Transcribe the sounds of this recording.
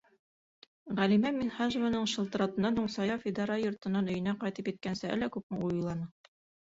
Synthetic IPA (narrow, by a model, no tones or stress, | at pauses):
ʁælimæminχɑʒ̆vanɤɴʃɤ̆lˠt̪ɾɑt̪ɤ̆nːɑnhuɴsɑjɑfʲid̪ɑɾɑjŏɾt̪ɤ̆nːɑnɵ̆jɘ̆næqɑjt̪ɤpit̪̚kænsɘæ̰lːækʉp̚mɘujulˠɑnɤ